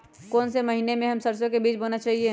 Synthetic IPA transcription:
kɔːnseməɦinemẽɦɐmsəɾsjõkebiːt͡ʃbonat͡ʃaːɦie

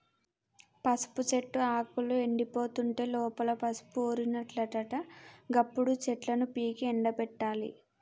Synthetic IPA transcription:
pɐsu̥put͡ʃe̞ʈːuaːkulue̞ɳɖipo̞ːt̪uɳʈe̞ːlɔːpɐlɐpɐsu̥puoːɾinɐʈlɐʈɐʈɐɡɐpːuɽut͡ʃɛʈlɐnupiːkiɛɳɖɐpɛʈːaːlḭ

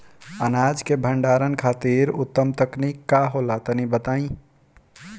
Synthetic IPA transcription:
ənad͡ʒkebʱəɳɖaɾənkʰat̪iɾut̪ːəmt̪əknikːaɦolat̪ənibət̪aĩ

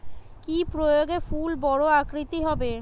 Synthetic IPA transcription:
kipɾojoɡefulbɔɽoakɾit̪iɦɔbe

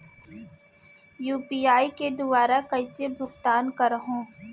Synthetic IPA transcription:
juːpiːaːiked̪ʊʋaːɾakɐit͡ʃebʱʊɡt̪aːnkɐɾɦõː

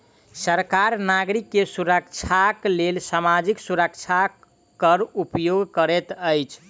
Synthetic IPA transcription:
səɾkaɾnaɡɾikːesuɾək̚t͡ʃʰaklelsamad͡ʒiksuɾəkt͡ʃʰa | kəɾupjoɡkəɾet̪əjt͡ʃʰ

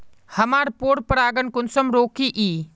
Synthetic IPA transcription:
hɐmaːɾpoːɽpəɽaːɡənkʊnsəmɾoːkʰiʔiː

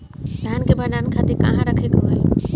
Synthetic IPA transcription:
d̪ʱankebʱənankʰat̪iɾka̰ɦãɾəkʰekoɦəl

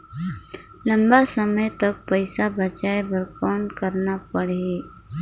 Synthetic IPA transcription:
lə̃mbasəməjt̪ɐk̚pəɪsabət͡ʃaːebəɾkɔːnkəɾnapəɽei

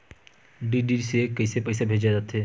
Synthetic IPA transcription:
ɖiɖiɾsekəɪsepəɪsebʱeːd͡ʒad͡ʒat̪ɦeː

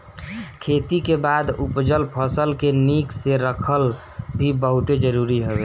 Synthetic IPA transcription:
kʰet̪ikebad̪upd͡ʒəlpʰəsəlkenikseɾəkʰəl | bʱibəɦut̪ed͡ʒəɾuɾiɦəbe

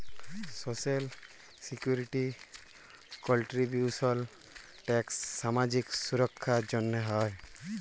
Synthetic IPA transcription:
sosel | sikjuɾiʈi | kɔlʈɾibjusɔl | ʈɛksːamad͡ʒiksuɾɔkʰːad͡ʒɔnːeɦɔj

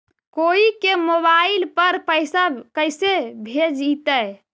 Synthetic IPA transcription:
koikemoβailpəɾpəjsəkəjsebʱed͡ʒit̪ə

